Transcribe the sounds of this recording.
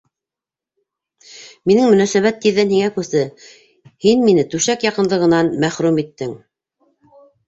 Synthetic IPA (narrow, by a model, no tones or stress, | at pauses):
minɘŋmɵ̆næsæβæt̪ːiðːænhiŋækʉsɘ | hinminɘt̪ʉʃækjɑqɤ̆nlˠɤ̆ʁɤ̆nɑnmæχɾʉmit̪ːɘŋ